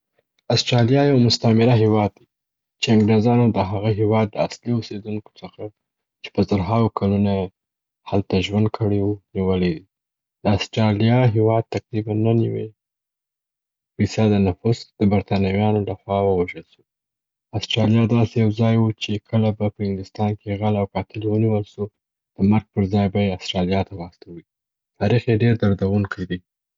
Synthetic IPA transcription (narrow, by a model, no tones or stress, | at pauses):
astɾɑlijɑjawmʊst̪amɪɾaɦewɑd̪̚ːi | t͡ʃeaŋɡɾezɑnod̪əɦaɣaɦewɑd̪ləasliosed̪uŋko̥t͡səxa | t͡ʃe̥pəzaɾɦɑwkʰalunaje | halt̪aʒwand̪̚kʰəɽewuniwəled̪i | d̪əastɾɑlijɑɦewɑd̪̚t̪aqɾibanːaniwe | fisad̪ənafusd̪̥əbaɾt̪ɑnawjɑnolaxwɑwəwaʒəlsu̥ | asʈɾɑljɑd̪ɑsejawzɑjwut͡ʃekʰəlabapəhɪŋɡd̪ʊst̪ɑnkeɣalawkɑt̪ɪlwəniwəlʃu | d̪̥əmaɾɡ̚pəɾzɑjbajeasʈɾɑlijɑt̪awɑst̪awi | t̪ɑɾixjeɖeɾd̪aɾd̪awuŋkʰajd̪i